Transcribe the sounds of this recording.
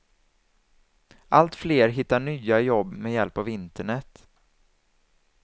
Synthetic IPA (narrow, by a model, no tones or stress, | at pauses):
ʔalt̪fleːɾɦɪt̪ːaɳyːajɔbːmɛjɛlpavɪnt̪əɳɛt̪ː